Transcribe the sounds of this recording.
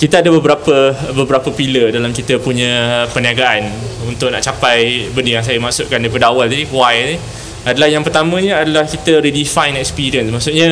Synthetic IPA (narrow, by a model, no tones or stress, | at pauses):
kit̪aadəbəbɾapəbəbɾapəpilədalamkit̪əpuɲə̃pəniaɡaʔanunt̪ʊʔ̚na̰ʔt͡ʃapajbəndijaŋs̬ajamaʔsuʔkandajpadawald͡ʒadiwajni | adalahjaŋpərt̪amə̃ɲəadalahkit̪əɾidifajnɛkspiɾiənsmaʔsuʔɲə